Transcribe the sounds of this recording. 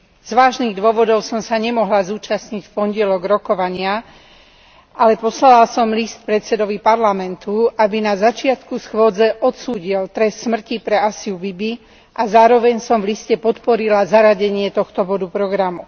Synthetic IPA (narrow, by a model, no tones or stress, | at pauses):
z̥ʋaːʒniːɣd̪ʊɔʋɔd̪ɔʊsɔmsaɲɛmɔɦlazuːt͡ʃasɲicfpɔnɟɪɛlɔɡɾɔkɔʋaɲɪa | ʔalɛpɔslalasɔmlist̪̚pɾɛt̪sɛd̪ɔʋipaɾlamɛnt̪uʔabinazat͡ʃɪat̪kusxwɔd͡zɛʔɔt̪suːɟilt̪ɾɛst̪ːmr̩cipɾɛasiubibi | ʔazaːɾɔʋɛɲsɔmvliscɛpɔt̪pɔɾilazaɾaɟɛɲɪɛt̪ɔxt̪ɔbɔd̪upɾɔɡɾamu